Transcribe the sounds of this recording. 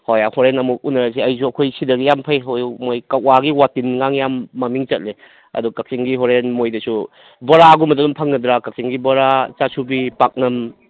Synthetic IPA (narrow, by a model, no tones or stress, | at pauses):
hojahɔɾenɐmuunɐɾas̬iɐjsuɐkʰojsidɐɡijampʰajɦojmojkak̚waɡiwatinŋaŋjamːɐmiŋt͡ʃɐt̚le | ɐ̰dukak̚siŋɡiɦɔɾenmojdɐsu | bɔɾaɡumɐdɐdumpʰɐŋɡɐdɾakak̚siŋɡibɔɾat͡ʃasʰubipak̚nɐm